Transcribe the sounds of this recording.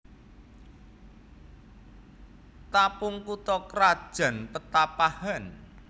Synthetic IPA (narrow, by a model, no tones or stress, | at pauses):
t̪apʊŋkut̪ɔkɾḁʒ̥a̤npət̪apahan